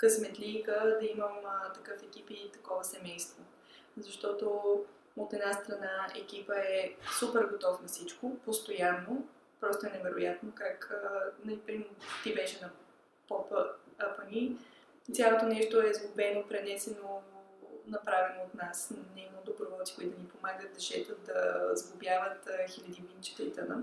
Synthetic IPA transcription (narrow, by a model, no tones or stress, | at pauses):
kəsmɛt̪likəd̪ɐiməmət̪ɐkɤfɛk̟ipit̪ɐ̥kɔvəsɛmɛjst̪vo | zɐʃt̪ɔt̪o | ot̪ɛd̪nast̪ɾɐnaɛ̰k̟ipəɛsupɛɾɡot̪ɔfnɐsit͡ʃkopost̪ojanːo | pɾɔst̪oɛnɛvɛɾojat̪nokakːnɐlipɾimt̪ibɛʃɛnɐ | pɔpəəpənʲi | t̪sʲalˠot̪onɛʃt̪oɛzɡʊbɛnopɾɛnɛsɛno | nɐpɾavɛnoːt̪nasnɛimod̪obɾovɔlˠt̪si̥koʊit̪ʊnipomaɡət̪̚d̪ɐʃɛt̪ət̪̚d̪ɐzɡʊbjavət̪xilʲɐd̪ivint͡ʃi̥t̪ɛlit̪ənə̰